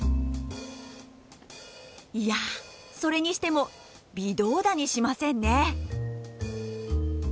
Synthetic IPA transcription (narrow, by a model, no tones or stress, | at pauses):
ija | so̞ɾe̞ɲ̟iɕi̥t̪e̞mo̞ | bʲid̪o̞ːd̪aɲ̟iɕimasẽ̞nːe̞